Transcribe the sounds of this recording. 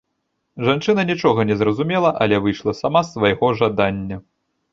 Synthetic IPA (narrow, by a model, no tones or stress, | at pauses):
ʐant͡ʂɨnɐnʲit͡ʂɔɣɐnʲɛzɾɐzumʲɛlˠɐʔɐlʲɛvɨʂlˠɐsamasvɐjɣɔʐad̪anʲːɐ